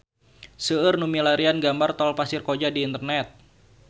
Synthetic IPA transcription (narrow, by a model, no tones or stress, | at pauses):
səərnumilaɾianɡambart̪ɔlpasɪrkod͡ʒadiːnt̪ərnɛt̪̚